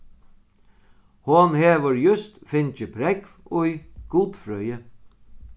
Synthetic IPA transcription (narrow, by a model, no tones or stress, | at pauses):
hʊnheːʋəɾjʏst̪fɪnt͡ʃəpʰɾɛkʋʊjɡ̥uːt̪fɾœjə